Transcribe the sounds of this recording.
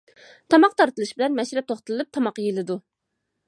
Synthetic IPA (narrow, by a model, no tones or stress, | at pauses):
t̪ʰɑmɑqt̪ʰɑɾt̪ɨlˠɨʃbɪlɛnmɛʃɾɛp̚t̪ʰoχt̪ɨlˠɨlˠɨp̚t̪ʰɑmɑqjelˠɨd̪u